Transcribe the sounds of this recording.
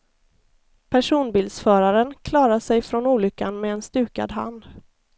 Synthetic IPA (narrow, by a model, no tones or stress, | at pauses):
pʰæʂuːnbɪːld̪sfœːɾaɾənkʰlɑːɾaʂɛjfɾɔnuːlʏkːanmɛːnst̪ʉ̟ːka̰d̪ɦa̰nd̪